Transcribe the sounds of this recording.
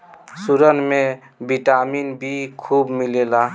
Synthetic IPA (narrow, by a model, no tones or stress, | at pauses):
suɾənme | biʈaminbʱikʰubmilela